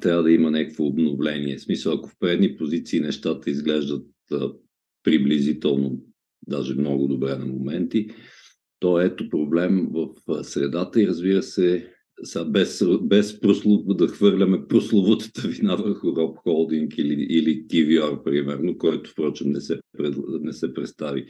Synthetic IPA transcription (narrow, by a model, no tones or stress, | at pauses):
t̪ɾʲavəd̪ɐimənʲɛkə̥kvoːbnovlɛniɛsmisəlˠɐkofpɾɛd̪nipozit̪siːnɛʃt̪at̪əizɡlɛʒd̪ət̪̚ | ə | pɾiblizit̪ɛlˠno | d̪aʒɛmnɔɡʊd̪obɾɛnɐmomɛnt̪i | t̪ɔɛt̪opɾoblɛmvəfsɾɛd̪at̪əiɾəzbiɾəsɛ | sabɛsbɛspɾoslˠod̪ɐxvɤɾlʲɐmɛpɾoslˠovot̪ə̥t̪əvinavəɾxʊɾɔpxɔlˠd̪iŋkiliilikiviaɾpɾimɛɾnokɔjt̪ʊ̥fpɾɔt͡ʃɪmnɛsɛpɾɛnɛsɛpɾɛt̪st̪avi